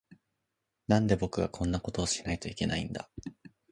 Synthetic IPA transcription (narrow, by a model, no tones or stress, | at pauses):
nãnd̪e̞bo̞kɯ̟ɡakʰõ̞nːako̞t̪o̞ːɕinait̪o̞ike̞naḭ̃nd̪a̰